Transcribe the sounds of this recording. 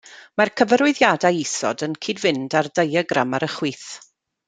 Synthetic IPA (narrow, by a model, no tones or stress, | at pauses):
markʰəvəɾʊɨðjadajisɔ̰dənkʰiːdvɪndardejəɡɾamaɾəχwiːθ